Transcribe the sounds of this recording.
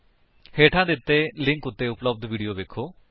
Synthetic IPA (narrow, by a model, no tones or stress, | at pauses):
heːʈʰãːd̪ɪt̪ːeːlɪ̃ŋkʊt̪ːeːʊpləb̚d̪ʋiːɖijoːʋeːkʰoː